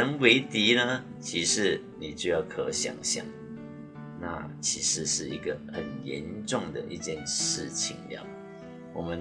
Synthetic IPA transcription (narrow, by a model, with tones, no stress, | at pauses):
ə˧˦nwe˧˥ɪt̪i˧˥nə˧ | t͡ɕʰi˧˥ʂɻ̩˧˩ | ni˨t͡ɕjo˥˧ʊjɑ˥˩ʊkʰɤ˧˦ɕja̰˨˩ŋɕja̰˨˩˦ŋ | na̰˥˨t͡ɕʰi˧˥ʂɻ̩˧˦ʂɻ̩˥˩i˧˥ɡə˧hə˨˩njɛ˧˦nʈ͡ʂʊ˥˨˩ŋd̪ə̰˨˩ʔi˧t͡ɕjɛ˥˨nʂɻ̩˥˩t͡ɕʰi˨˦ŋljɑ̰˥˨˩ʊ | wʔɔ˨˩mə˦n